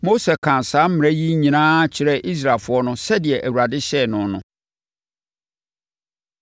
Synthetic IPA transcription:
mo˦sɛ˨kʰã˨nsaː˦m̩˦mɪ̃˨ɛ˦ji˦ɲĩ˨nã˦t͡ɕʰɪ˨ɾɛ˦˨ʔi˦s̬ɾa˨lfʊ˨˦ɔ˦nʊ̃˦sɛ˦dɪ˨ɛ˨ʔæ˨wu˨ɾa˨dɪ˦ɕɛ˦˨nʊ̃˨˦nʊ̰̃˨

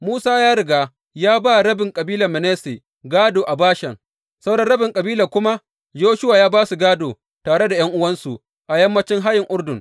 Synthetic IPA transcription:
muː˦saː˦jaː˦ɽɪ˨ɡaː˦ | jaː˦ba˦˨ɽɐ˦bɪ˨ŋkʼɐ˨biː˦lɐ˨mɪ˨neː˦se˨ | ɡaː˦doː˨ʔa˨baː˦ʃɐ˨ŋ | sa˦wdɐ˦ɽɐ˦bɪ˨ŋkʼɐ˨biː˦la˨kʷʊ˦ma˦ | joː˦ʃʊ˦waː˨jaː˦baː˦su˨ɡaː˦doː˨ | taː˨ɽe˦da˨j̰ɐ˦ŋʔʊ˦wɐ˦nsu˨ | tʔa˨jɐ˦mːɐ˦t͡ʃɪ˦ŋɦa˦jɪ˨ŋʔʊ˦ɽdʊ˨ŋ

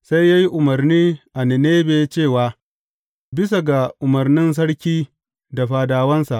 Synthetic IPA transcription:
sa˦jːaː˦ji˦ʔʊ˨mɐ˨rniː˦ʔa˨nɪ˨neː˦beː˨˦t͡ʃeː˦˨waː˦ | bɪ˦sa˨ɡa˨ʔʊ˨mɐ˨rnɪ˦ns̬ɐ˦ɽkʲiː˦ | da˨ɸaː˨daː˨wɐ˦nsa˨ʔ

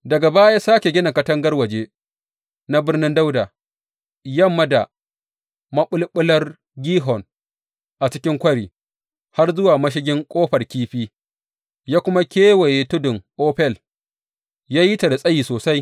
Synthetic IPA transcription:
dɐ˨ɡa˨baː˦jaː˦saː˦kʲe˨ɡʲɪ˦na˨kɐ˦tɐ˦ŋɡɐ˦rwɐ˨d͡ʒe˦ | na˦bɪ˦rnɪ˦nda˦wdaː˨ | jɐ˦mːɐ˦da˨ | mɐ˦ɓʊ˦lɓʊ˦lɐ˦r | ɡʲiː˦ɦɔ˨n | ʔa˨t͡ʃɪ˦kʲɪ˦ŋkʷɐ˦ɽiː˨ | ha˦rzʊ˦waː˨mɐ˦ʃ̬ɪ˦ɡʲɪ˦ŋkʷʼoː˦ɸɐ˨rkʲiː˦ɸiː˦ | jaː˦kʷʊ˦ma˦kʲeː˦we˨je˨tʊ˦dʊ˨ŋʔoː˦ɸɛ˦˨l | jaː˦ji˦ta˨da˨sʼɐ˦jiː˨soː˨sa˦j

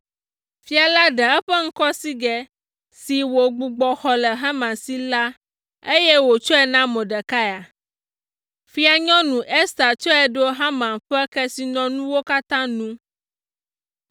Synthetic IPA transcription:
fi˦a˨la˦ɖɛ˨ɛ˦ɸɛ˦ŋ̩˦kɔ˦si˦ɡɛ˨ | si˨wo˨ɡ͡bu˨ɡ͡bɔ˨xɔ˨lɛ˨ɦã˦mã˨nsi˦la˦ | e˦jɛ˦wo˨t͡ʃɔ˦ɛ˨nã˦mɔ̃˨ɖɛ˨ka˦ja˨ | fi˦a˨ɲɔ̃˦nũ˨ʔe˦st̪a˨t͡ʃɔ˦ɛ˨ɖo˦ɦã˦mã˨nɸɛ˦kɛ˦si˨nɔ̃˨nũ˦wo˦ka˦t̪ã˦nũ˦

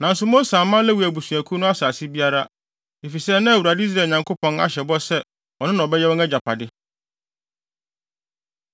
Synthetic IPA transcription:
nã˨n̩˦sʊ˦mõ˦sãː˨mã˦lɛ˦wu˨æ˨bu˨sũ˨æ˨kʰu˦nʊ̃˦a˦saː˨si˦bi˦a˦ɾa˦ | e˨fi˨sɛ˦nã˦˨wu˨ɾa˨dɪ˦i˦s̬ɾaː˨ɲã˨ŋkʰo˦pʰɔ̃˨˦na̰˨ɕɛ˨bɔ˦sɛ˦ | ɔ˨nɪ̃˦nã˨bɛ˦jɛ˦wɔ̃˦nɛ˦d͡ʑa˨pʰa˨dɪ˦

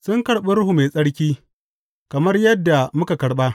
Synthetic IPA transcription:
sʊ˦ŋkɐ˨ɽɓe˦ɾʊ˦hu˨me˨sʼɐ˦ɽkʲiː˦ | kɐ˨mɐ˦rjɐ˦dːa˨mʊ˦ka˨kɐ˨ɽɓa˦

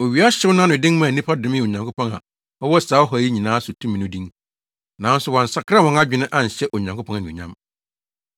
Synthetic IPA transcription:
o˨ɥi˨˦a˦ɕɪ˦wʊ˦nʊ̃˦nʊ̃˨dɪ̃˦ŋmã˨nĩ˦pʰa˦dʊ̃˨mɪ̃˦˨o˨ɲã˨ŋkʰo˦pɔ̃˦ŋa̰˨ | ɔ˦wɔ˦˨saː˨˦ɔ˦ɦɔ˨˦ji˦ɲĩ˨nãː˦sʊ˨tʰũ˦m̃˨nʊ̃˦dĩ˦ŋ | nã˨˦n˦sʊ˦˨wɔ̃˨n̩˨sa˨kʰɾa˦wɔ̃˦na˦d͡ʑᶣɪ˨˦nɪ̃˦ʔã˦˨ɲ̩˨ɕɛ˦ʔo˨ɲã˨ŋkʰo˦pʰɔ̃˦na˨nĩ˨ɲã˦m

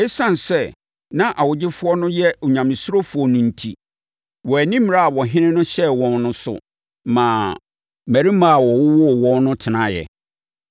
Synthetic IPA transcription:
e˦sã˦n˨sɛ˦ | nã˦ʔa˨wʊ˨d͡ʑɪ˦fʊ˦ɔ˦nʊ̃˦jɛ˦˨ɲã˨mɪ̃˨sʊ˦ɾo˦fʊ˨ɔ˨nʊ̃˨n̩˨tʰḭ˨ | wɔ˨æ˨nĩ˦m˨ɾa˦a˨wɔ˨ɦɪ̃˦nɪ̃˦nʊ̃˦ɕɛ˦wɔ̃˦nːʊ̃˦sʊ̰˨ | mãː˨ | mæ˨ɾi˦mã˦a˨wɔ˨wʊ˦wɔ˦˨wɔ̃˦nnʊ̃˦tʰɪ˨nã˦jɛ̰˨

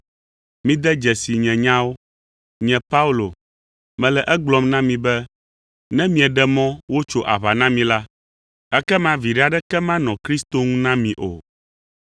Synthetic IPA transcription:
mĩ˦d̪ɛ˦d͡ʒɛ˨si˨ɲɛ̃˨ɲã˦wo˦ | ɲɛ̃˨pa˦u˦lo˨ | mɛ̃˨lɛ˨ʔɛ˦ɡ͡blɔ˨mnã˦mĩ˨bɛ˦ | nɛ̃˦mĩ˦ɛ˨ɖɛ˦mɔ̃˦wo˦t͡ʃo˦ʔa˨βa˨nã˦mĩ˨la˦ | ɛ˦kɛ˦mã˨vi˨ɖɛ˦a˨ɖɛ˦kɛ˦mã˦nɔ̃˨kɾi˦st̪o˦ŋũ˦nã˦mĩ˨ʔo̰˨

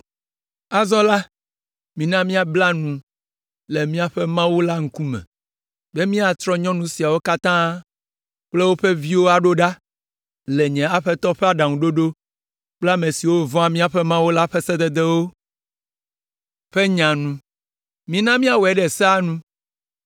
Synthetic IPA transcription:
a˨zɔ˦la˦ | mĩ˨nã˦mĩ˦a˨bla˦nũ˨ | le˨mĩ˦a˦ɸɛ˦mã˦wu˦la˦ŋ̩˦ku˦mɛ̰̃˨ | bɛ˦mĩ˦a˨t̪ɾɔ˦ɲɔ̃˦nũ˦si˨a˨wo˦ka˦t̪ã˦ | k͡ple˦wo˦ɸe˦vi˦wo˦a˨ɖo˦ɖa˦ | le˨ɲɛ̃˨a˦ɸɛ˦t̪ɔ˦ɸɛ˦a˦ɖã˨ŋũ˨ɖo˦ɖo˦ | k͡pla˦mẽ˨si˨wo˦vɔ̃˦a˨mĩ˦a˨ɸɛ˦mã˦wo˦la˦ɸɛ˦sɛ˦d̪ɛ˨d̪ɛ˦wo˦ | ɸe˦ɲã˨nũ˨ | mĩ˨nã˦mĩ˦a˦wɛ˦ɖɛ˨sɛ˦a˦nũ˦

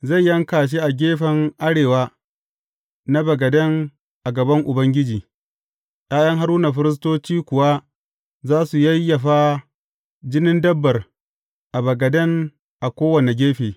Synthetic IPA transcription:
za˦˨jːɐ˦ŋkaː˨ʃ̬e˦ʔa˨ɡʲeː˦ɸɐ˨ŋʔa˦ɽeː˨waː˦ | na˦bɐ˨ɡɐ˨dɐ˦ŋ | ʔa˨ɡɐ˨bɐ˦ŋʔʊ˨bɐ˦ŋɡʲɪ˦d͡ʒiː˨ | jaː˦jɐ˦ŋɦa˦ɾuː˦na˨ɸɪ˦ɾɪ˦s̬toː˦t͡ʃiː˦kʷʊ˨wa˦ | zaː˦su˨jɐ˦jːɐ˨ɸa˦ | d͡ʒɪ˦nɪ˦ndɐ˦bːɐ˨r | ʔa˨bɐ˨ɡɐ˨dɐ˦ŋ | ʔa˨kʷoː˦wɐ˨ne˨ɡʲeː˦ɸeː˨

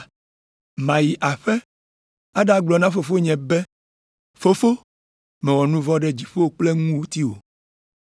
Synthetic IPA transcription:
mã˨ji˨ʔa˨ɸɛ˦ | a˦ɖa˦ɡ͡blɔ˨nã˦fo˨fo˦ɲɛ̃˨bɛ˦ | fo˦fo˦ | mɛ̃˨wɔ˨nũ˦vɔ˦ɖɛ˦d͡ʑi˨ɸo˦wo˦k͡ple˦ŋũ˦wu˦t̪i˦wo̰˨

